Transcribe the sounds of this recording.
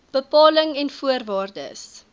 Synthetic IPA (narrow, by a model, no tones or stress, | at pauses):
b̥əpɑːləŋɛnfuərvɑːrdə̰s